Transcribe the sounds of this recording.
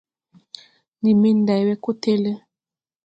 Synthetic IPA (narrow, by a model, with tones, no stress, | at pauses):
ni˨me˦n˦da˨jwɛ˦ko˦te˦le˦